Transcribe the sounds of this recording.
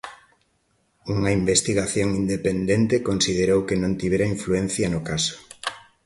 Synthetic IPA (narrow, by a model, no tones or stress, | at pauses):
uŋɐimbest̪iɣaθjoŋind̪epend̪ent̪ekonsiðeɾowkenõnt̪iβeɾɐiɱfluen̟θjɐnʊkasʊ̥